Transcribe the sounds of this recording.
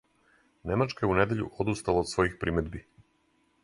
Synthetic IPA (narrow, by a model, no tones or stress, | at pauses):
ne̞mat͡ʃkajeune̞d̪e̞ʎṵʔod̪ust̪alaod̪sʋo̞jixpɾʔimed̪bi